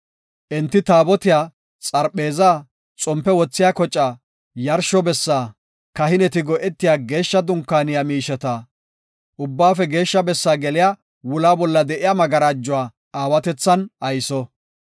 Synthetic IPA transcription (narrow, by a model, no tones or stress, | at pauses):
ʔɛnt̪ːɪt̪aːbɔt̪ɪjaː | t͡sʼɐɾɓe̞ːzaː | t͡sʼɔmpːɛwɔt͡sːɪjakɔt͡ʃʼːaː | jɐɾʃɔbɛsːaː | kɐhɪnɛt̪ɪɡɔʔɛt̪ːɪjaːɡe̞ːʃːɐd̪ʊŋkːaːnɪjamiːʃɛt̪a | ʔʊbːaːfɛɡe̞ːʃːɐbɛsːaːɡɛlɪjaː | wʊlaːbɔlːɐd̪ɛʔɪjaːmɐɡɐɾaːd͡ʒːʊwaː | aːwɐt̪ɛt͡sːɐnʔɐjsɔ